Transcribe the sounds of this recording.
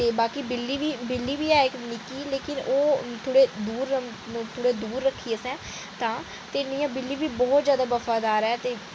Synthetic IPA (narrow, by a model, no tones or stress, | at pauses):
t̪eːbaːkiːbɪlːiːʋiːbɪlːiːbiːaːeknɪkiːleːkɪnoːt̪ʰoːɽeːd̪uːɾ | t̪ʰoːɽeːd̪uːɾːəkʰːiːəsɛ̃ː | t̪ãː | t̪eːnɪjãːbɪlːiːbiːbɔːt̪zjaːd̪aːbəfaːd̪aːɾɛːt̪eː